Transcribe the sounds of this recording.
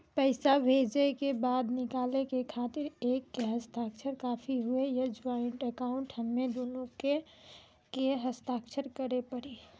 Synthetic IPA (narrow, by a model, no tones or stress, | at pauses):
pəɪsabʱeːd͡ʒekebaːd̪nɪkaːlekekʰaːt̪ɪɾeːkːeɦəst̪aːkʃʰəɾkaːpʰiɦʊejɐd͡ʒaɪɳʈəkaːʊ̃ɳʈhəmːed̪oːloke | keɦəst̪aːkʃʰəɾkəɾepəɽi